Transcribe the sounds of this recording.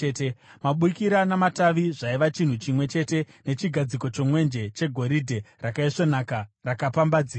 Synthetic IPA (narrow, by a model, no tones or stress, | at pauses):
etemaɓukiɾanamataʋiʐaiʋat͡ʃin̤ut͡ʃimwe̞t͡ʃe̞te̞ | ne̞t͡ʃiɡʱad͡ziko̞t͡ʃo̞mwe̞nd͡ʒe̞t͡ʃe̞ɡʱo̞ɾidʱe̞rakaiʂonakarakapambad͡ziː